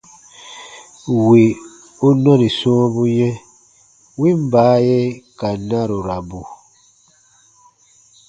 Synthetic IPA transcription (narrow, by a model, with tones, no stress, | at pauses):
wi˨ | u˦nɔ˦ɾi˨sõː˦bu˦jɛ˦ | wi˦m˨baː˨˦jɛ˦ka˨na˦ɾo˨ɾa˨bu˨